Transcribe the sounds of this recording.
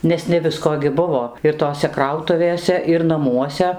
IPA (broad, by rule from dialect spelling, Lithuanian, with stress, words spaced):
ˈnʲɛs nʲɛ ˈʋʲɪskoː ɡʲɪ ˈbʊʋoː ɪr ˈtoːsʲɛ ˈkrɐʊtʊʋʲeːsʲɛ ɪr nɐˈmuɔsʲɛ